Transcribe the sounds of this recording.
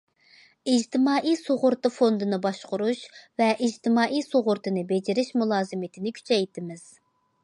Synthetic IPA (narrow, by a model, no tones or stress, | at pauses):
id͡ʒt̪ʰɪmɑːʔisoʁʊɾt̪ɨfond̪ɨnɨbɑʃqʊɾuʃvɛʔid͡ʒt̪ɪmɑːʔisoʁʊɾt̪ʰɨnɨbed͡ʒɪɾɪʃmulˠɑːzɨmɪt̪ʰɪnɪkʲʰy̥t͡ʃʰɛjt̪ʰɪmɪz̥